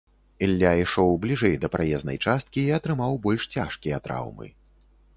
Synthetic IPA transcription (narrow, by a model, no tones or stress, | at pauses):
ɛlʲːaiʂɔwblʲiʐɛjd̪ɐpɾajɛznɐ̰jt͡ʂast̪̚kʲiːɐt̪ɾɨmawbɔlʲʂt͡sʲaʂkʲijɐt̪ɾa̰wmɨ̰